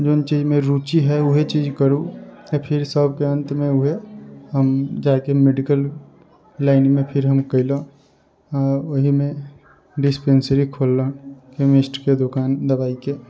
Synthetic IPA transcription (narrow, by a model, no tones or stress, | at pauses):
d͡ʒoːnt͡ʃiːd͡ʒmẽɾuːt͡ʃiɦɛʊɦet͡ʃiːd͡ʒkəɾũpʰɪɾsəbkeə̃nt̪mẽʊɦeɦəmd͡ʒaːkemeɖɪkəl | laːɪnmẽpʰɪɾɦəmkəɪlo | ɔːɾʊɦimẽ | ɖɪspẽːnsəɾikʰoːlːõkemesʈked̪okaːnd̪ɐbaːike